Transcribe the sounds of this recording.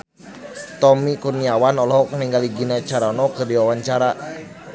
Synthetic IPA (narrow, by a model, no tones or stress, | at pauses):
t̪ɔmikurniawanɔlɔɦɔkəniŋɡaliɡinat͡ʃaɾanɔkɨrdiwawaɲt͡ʃaɾa